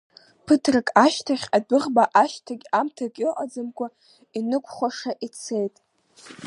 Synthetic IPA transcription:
pʰɨtʰrakʼaʃtʰaχʲadɨʁbaʔaʃtʰaɡʲamtʰakʼiʕʷad͡zamkʷʼa | inɨkʷʼʰχʷaʂaʔit͡sʰe̞jtʼ

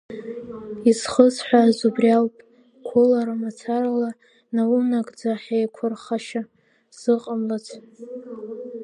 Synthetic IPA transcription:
izχəzħʷazubralpʼ | kʷʰolaɾamat͡sʰaɾala | nawunaɡʼd͡zaħejkʷʰʊrχaʃa | z̥ɨqʼamlat͡sʰ

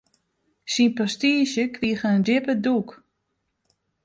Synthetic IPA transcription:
sinprɔstiəʃjəkʋiəχəəndɪpəduk

